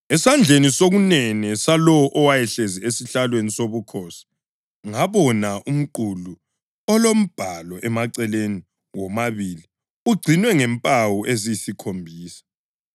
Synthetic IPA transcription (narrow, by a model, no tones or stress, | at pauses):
ɛsand͡ɮʱenisoɣunɛnɛsalɔwɔʔɔwajɛɬeziesiɬalwenisoβukʰosi̥ | ŋaβɔnaʔum̩ǃulu | ɔlom̩b̥ʱalɔʔɛmaǀɛleni | wɔmaβili | uɡ͡ǀʱinwɛŋɛmpʼawuʔezijisikʰombʱiːsḁ